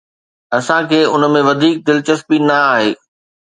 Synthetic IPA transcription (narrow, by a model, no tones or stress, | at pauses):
ɐsãkʰeːʊnəmẽʋɐd̪ʱiːk̚d̪ɪlɪt͡ɕɐspinɐaːɦeː